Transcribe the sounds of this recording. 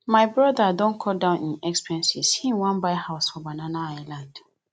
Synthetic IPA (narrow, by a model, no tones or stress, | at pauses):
majbɹɔdadɔ̃nkʰɔdãʊ̃nĩnɛkspɹɛ̃nsisĩnwãnbaɪhaʊsfɔbanãnaaɪlãnd